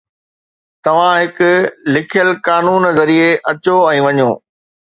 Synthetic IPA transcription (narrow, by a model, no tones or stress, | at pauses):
t̪ɐʋ̤ãɦɪkʊ̆lɪkʰijəlkaːnuːnzɐɾieʔɐt͡ɕoɛ̃ːʋɐɲoː